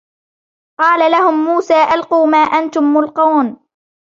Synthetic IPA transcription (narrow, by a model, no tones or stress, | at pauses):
qɑːlalahʊmːuːsaːʔalquːmaːʔant̪ʊmːʊlquːn